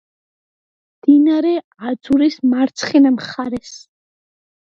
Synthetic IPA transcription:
md̪̥inaɾɛ | ad̪zuɾismaɾt̪sʰχinamχaɾɛs

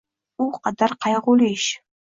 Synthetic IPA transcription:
uqɑd̪arqɑjʁuliʃ

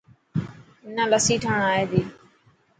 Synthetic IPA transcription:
ɪnãːləsiːʈʰəːɽaːeːd̪iː

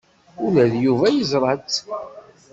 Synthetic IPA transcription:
ʊlæðjuvæjəzˤɾˤɑt͡s

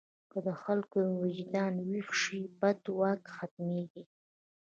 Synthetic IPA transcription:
kəd̪əxalkowɪd͡ʒd̪ɑnwixʃibat̪wɑkxat̪meɡi

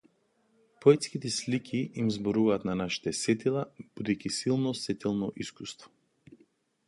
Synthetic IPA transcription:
pɔɛt̪skit̪ɛslikʲʰiʔːmzbɔɾuvaːt̪nanaʃi̥t̪ɛsɛt̪ilˠab̥ud̪ɛkisilˠnɔsɛt̪ɛlˠnɔʔiskust̪vɔ̥

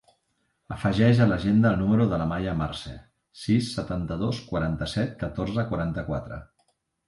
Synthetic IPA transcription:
əfəʒɛʒələʒend̪əːlˠnuməɾuðələmajəmarsɛ | sisːət̪ant̪əðoskwaɾant̪əsɛt̪̚kət̪orzəkwaɾant̪əkwat̪ɾə̰

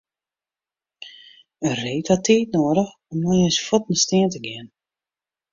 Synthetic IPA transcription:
əreːtatiːtnoːɾəx | ɔmnɔjəsfɔtnəstɪəntəɡɪən

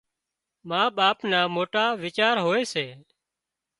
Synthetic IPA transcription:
mãːɓaːpnaːmoːʈaːʋɪt͡ʃaːɾɦoːeːseː

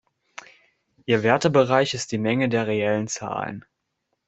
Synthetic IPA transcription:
ʔiːɐvɛɐtəbəʁaɪçɪst̚d̥iːmɛŋədeːɐʁeɛlənt͡sa̰ːlə̰n

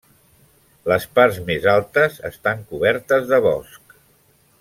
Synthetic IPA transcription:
ləspaɾzmezalˠt̪əzə̰st̪aŋkuβɛɾt̪əzðəβɔ̰sk

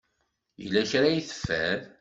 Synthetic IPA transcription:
jə̰lːæçɾajiθə̥fːæð

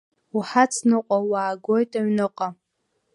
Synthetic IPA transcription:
uħat͡sʰnɨqʷʼawaːɡʷo̞jtʼaɥnɨqʼa

